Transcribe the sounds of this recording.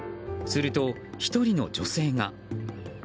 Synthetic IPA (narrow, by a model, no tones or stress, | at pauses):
sɨɾɯ̟t̪o̞ | çi̥t̪o̞ɾʲino̞̰d͡ʑo̞se̞ːŋa